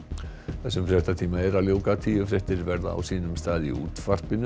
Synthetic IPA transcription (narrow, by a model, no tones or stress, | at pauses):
θɛsːʏmfɾɛht̪at̪ʰiːmaɛɾaljowkat̪ʰiːʏfɾɪht̪ɪɾvɛɾða̰a̰wsiːnʏmst̪aːðḭṵːt̪far̥pɪnʏ